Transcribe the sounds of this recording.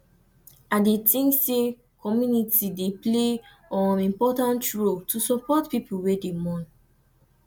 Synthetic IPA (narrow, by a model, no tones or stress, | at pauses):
adetĩŋsse | kɔmjunitideple | ɔ̃nĩmpɔtãntɹoltʰusɔpɔtpipuwedemɔ̃n